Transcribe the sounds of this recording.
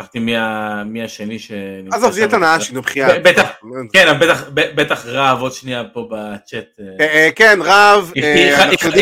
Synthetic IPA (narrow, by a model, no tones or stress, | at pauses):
aft̪imiamiaʃeniʃeniazovzjɛtanaaʃinubχiabet̪aχkenambet̪aχbebet̪aχʁavod̪ʃniapo̞bat͡ʃet̪ekenʁavifianaui